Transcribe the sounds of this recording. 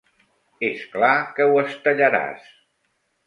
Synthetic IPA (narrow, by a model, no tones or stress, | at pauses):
esklakəwəst̪əʎəɾa̰s